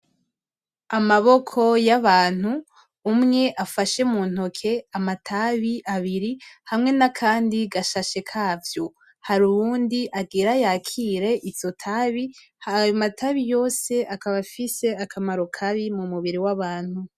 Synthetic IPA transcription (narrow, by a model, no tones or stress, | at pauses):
amaβo̞kʰo̞jaβaːn̥huː | mŋe̞ʔafaʃe̞muːn̥okʰe̞amatʰaβiʔaβiɾihamŋe̞nakʰaːndiɡaʃaʃe̞kʰaːvjo̞ | haɾuβuːndiʔaɡiɾajaːkʰiɾe̞ʔizotʰaβi | hajomatʰaβijo̞ːse̞ʔakaβafise̞akʰamaɾokʰaβimumuβiɾiwaβaːn̥hu